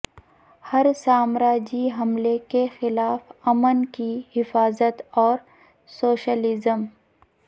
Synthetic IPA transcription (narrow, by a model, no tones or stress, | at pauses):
hɐɾsaːmɾaːd͡ʒiɦɐmlekexɪlaːfɐmənkihɪfaːzət̪ɔːɾ | soːʃəlɪzəm